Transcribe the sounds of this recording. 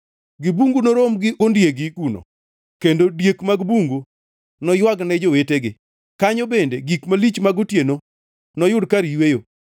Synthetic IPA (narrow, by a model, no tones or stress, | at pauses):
ɡɪbuŋɡunoɾomɡɪʔondjeɡɪɡuno̰ | kendodjekmaɡbuŋɡu | nɔjwaɡnɛd͡ʒoweteɡɪ | kaɲobendeɡikmalit͡ʃmaɡotjeno | nɔjʊdkaɾijwejo